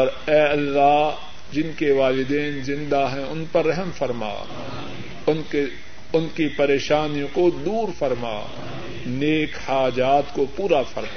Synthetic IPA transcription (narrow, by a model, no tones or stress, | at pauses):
ɔːɾɛːɐlːaːɦ | d͡ʒɪnkeʋaːlɪd̪eːnzɪ̃nd̪aɦɛ̃ʊnpɐɾːɛɦmfɐɾma̰ː | ʊnke | ʊnkipɐɾeːʃaːnijõkod̪uːɾfɐɾma̰ː | neːkhaːd͡ʒaːt̪kopuːɾafɐɾma